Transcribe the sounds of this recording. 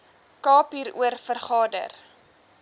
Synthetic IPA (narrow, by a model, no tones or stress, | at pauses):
kɑːpiːɾṵərfərχɑːdə̰r